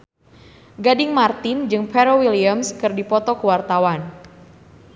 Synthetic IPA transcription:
ɡadɪŋmart̪ɪnd͡ʒɨŋpɛɾowiliamskɨrdipɔt̪ɔkəwart̪awan

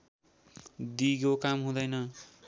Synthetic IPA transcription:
d̪iɡokamɦũd̪ʌjnʌ

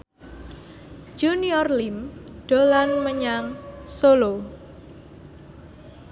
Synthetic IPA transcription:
d͡ʒuniɔrlimɖ̥o̤lanməɲaŋsolo

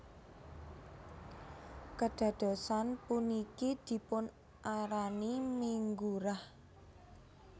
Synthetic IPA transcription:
kəɖ̥a̤d̪̥o̤sanpunikid̪̥i̤pʊn | ʔaɾanimiŋɡuɾah

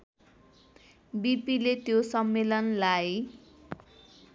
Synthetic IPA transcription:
bipilet̪josʌmːelʌnlaj

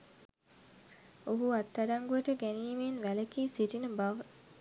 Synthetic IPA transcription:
oɦuat̪ːaɖaŋɡujəʈəɡæniːmenʋæləkiːsiʈinəbaʋə

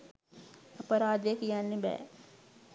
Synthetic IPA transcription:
ɐpəɾaːd̪ekjanːebɛ̰ː

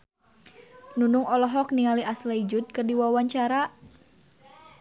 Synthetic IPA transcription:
nunuŋɔlɔɦɔk̚niŋaliʔaslaid͡ʒut̪̚kɨrdiwawaɲt͡ʃaɾaʔ

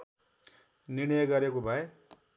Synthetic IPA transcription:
niɽ̃ʌjʌɡʌɾekobʱʌe

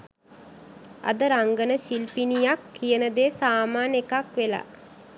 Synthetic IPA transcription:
a̰d̪əɾaŋɡənəʃilpinijakːijənəd̪eːsaːmaːnekakʋela̰

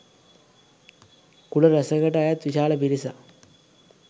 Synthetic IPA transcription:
kuɽɐɾɐsɐɣɐʈːaːjat̪ʋiɕaːlɐpiɾisa

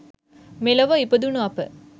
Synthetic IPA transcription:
melɐʋɐipəd̪unuapə̰

